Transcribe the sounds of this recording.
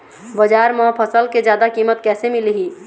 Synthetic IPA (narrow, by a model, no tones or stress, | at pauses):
bəd͡ʒaɾmɔ̃pʰəsəlked͡ʒjaːd̪akimət̪kɛːsemilɦi